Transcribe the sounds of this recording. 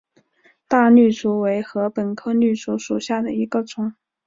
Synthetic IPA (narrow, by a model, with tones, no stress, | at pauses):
t̪a˥˧ny˥˩ʈ͡ʂu˧˥we˧˥ɪxɤ˧˥pə˨˩nkʰɤ˥ny˥˩t͡su˧˥ʂu˨˩ɕja˥˩d̪ə˩i˧˥ɡə˧t͡sʊ˨˩˦ŋ